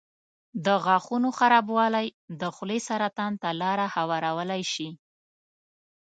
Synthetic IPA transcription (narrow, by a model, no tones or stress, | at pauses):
d̪əɣɑxunoxaɾɑbwɑlajd̪əxwlesaɾat̪ɑnt̪alɑɾahawɑɾawəlajʃi